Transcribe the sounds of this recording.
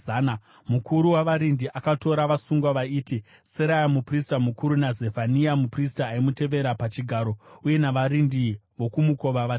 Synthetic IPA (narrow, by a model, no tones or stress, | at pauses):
ana | mukuɾuwaʋaɾindiʔakato̞ɾaʋasuŋɡwaʋaiːti | seɾajamupristamukuɾunaze̞vaniamupris̬taːimute̞ʋe̞ɾapat͡ʃiɡʱaɾo̞uje̞naʋaɾindiʋo̞kumuko̞ʋaʋa